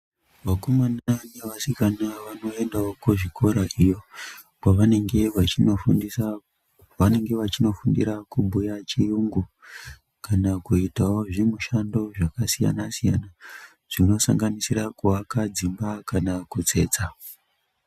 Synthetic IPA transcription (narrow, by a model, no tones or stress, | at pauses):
ʋakomananeʋasikanaʋano̞e̞ndaokuʐiko̞ɾaʔijo̞ | paʋane̞ŋɡe̞ʋat͡ʃinofundisa | ʋane̞ŋɡe̞ʋat͡ʃino̞fundḭɾakubʱujat͡ʃijuŋɡu | kanakuitawo̞ʐimuʃando̞ʐakasija̰nasijana | ʐ̥ino̞sa̰ŋɡanisirakuakad͡zimbakanakut͡se̞ːt͡sa